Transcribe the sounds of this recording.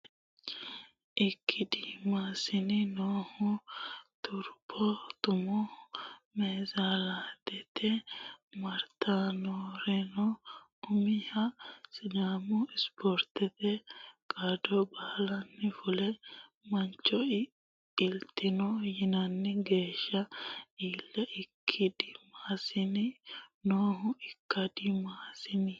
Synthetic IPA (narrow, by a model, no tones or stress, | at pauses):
ʔɪkʰːɪd̪iːmasɪnɪnoːhʊt̪ʊɾpʰːɔt̪ʊmɔ | meːzalaːt̪ɛt̪ɛmɐɾt̪ʰanoːɾɛnɔ | ʊmɪhɐsɪd̪aːmʊɪspɔɾt̪ɛt̪ɛkʼad̪ɔbɐhlɐnːɛfʊlɛ | mɐnt͡ʃːɔ | ɪlt̪ɪnɔjɪnɐnːɛɡe̞ːʃːɐiːlːɛʔɪkʰːɪd̪ɪmaːsɪnɪnoːɦʊɪkːɐd̪ɪmaːsɪnɪ